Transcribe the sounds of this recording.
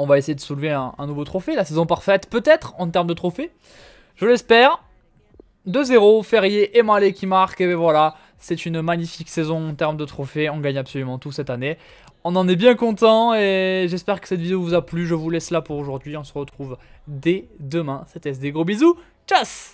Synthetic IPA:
ɔ̃vaesejed̪əsulveɛ̃ɛ̃nuvot̪χɔfelasezɔ̃paʁfɛt̪pøt̪ɛt̪χɑ̃t̪ɛʁmd̪ət̪χɔfe | ʒ̥əlɛspɛːʁ | d̪əzeʁofɛʁjeʔemalekʲimaʁkebɛvwala | sɛt̪ynmaɲifiksezɔ̃ɑ̃t̪ɛʁmd̪ət̪χɔfeɔ̃ɡaɲapsɔlymɑ̃t̪usɛt̪ane | ɔ̃nɑ̃nɛbjɛ̃kɔ̃t̪ɑ̃eʒɛspɛʁkə̥sɛt̪vid̪eovuzaplyʒəvulɛslapuʁoʒuʁd̪ɥiɔ̃səʁət̪χuvd̪ɛd̪əmɛ̃sɛt̪ɛs̬d̪eɡʁobizu | t͡ʃas

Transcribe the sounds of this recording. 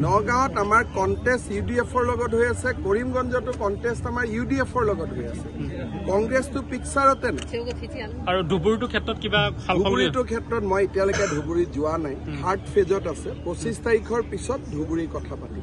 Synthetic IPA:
nɔɡãɦɔtamaɹkɔntestjudiepʰɔɹlɔɡɔtɦojasɛkoɹimɡɔnzɔtʊkɔntestamaɹjudiepʰɔɹlɔɡɔtɦojasɛkɔŋɡɹestʊpiksaɹɔtɛna̰ | aɹudʱubuɹitukʰɛtɹɔtkibapʰaluɔbuɹitʊkʰɛtɹɔtmɔjetijalejkɛdʱubuɹizʊwanajhʰaɹtpʰezɔtasɛpɹosistʰaɹikʰɔɹpisɔt̚dʱubuɹikɔtʰapatim

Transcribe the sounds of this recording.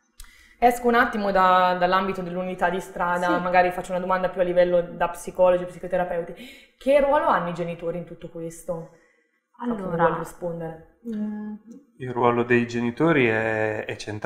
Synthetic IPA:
ɛskounat̪ːimod̪ad̪alːambit̪od̪elːunit̪ad̪ːist̪ɾaːd̪amaɡaːɾifat͡ʃːounad̪omand̪apjualːivɛlːod̪apsikɔːlod͡ʒiepsikot̪eɾapɛwt̪i | kʰerːwɔːloanːoid͡ʒenit̪oːɾiːnt̪ut̪ːokwest̪o | aɔlɾispond̪eɾe | ilrwɔːlod̪ejd͡ʒenit̪oːɾiɛɛt͡ʃːent̪

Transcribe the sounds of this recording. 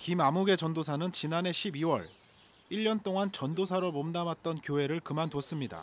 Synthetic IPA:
kimamuɡe̞t͡ɕʌndosʰanɯnt͡ɕinane̞ɕʰibiwʌ̰ɭ | iʎːʌnt͈oŋant͡ɕʌndosʰaɾomomdamat̚t͈ʌnkjoɦe̞ɾɯɭkɯmantos͈ɯmɲida̰

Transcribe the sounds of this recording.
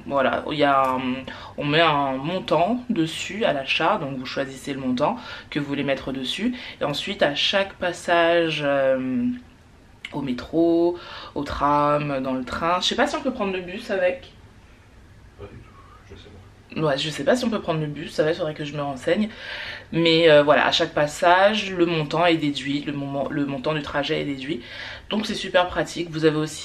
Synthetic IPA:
vwala̰ilja | ɔ̃mɛɛ̃mɔ̃t̪ɑ̃d̪əsyalaʃad̪ɔ̃kvuʃwaziseləmɔ̃t̪ɑ̃kəvuvulemɛt̪χəd̪əsyeɑ̃sɥit̪aʃakpasaʒøm | omet̪χoot̪χamød̪ɑ̃lət̪χɛ̃ʒəsɛpasiɔ̃pøpχɑ̃d̪ʁləbysavɛk | ad̪yt̪u̥ | wɛʒəsɛpasiɔ̃pøpχɑ̃d̪ʁləbysːavɛtfod̪ʁɛkəʒəməʁɑ̃sɛɲ | mɛøvwala̰ʔa̰ʃak̚pasaʒləmɔ̃t̪ɑ̃ɛd̪ed̪ɥiləmɔ̃ɑ̃ləmɔ̃t̪ɑ̃d̪yt̪χaʒɛɛ̰d̪ed̪ɥi | d̪̥ɔ̃ksɛsypɛʁpχat̪ʰikvuzaveosi̥

